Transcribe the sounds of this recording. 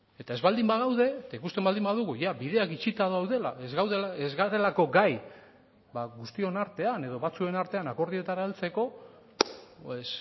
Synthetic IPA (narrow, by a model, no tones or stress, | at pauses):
e̞t̪ae̞zβald̪imbaɣawðe̞ːt̪aikust̪e̞mbald̪imbaðuɣujaβiðe̞akit͡ʃit̪aðoawðe̞la̰ezɣawðelezɣaɾe̞lako̞ɡaj | baɣust̪io̞naɾt̪e̞ane̞ðo̞βat͡sue̞naɾt̪e̞anako̞ɾðie̞t̪aɾaelt͡se̞ko̞ | es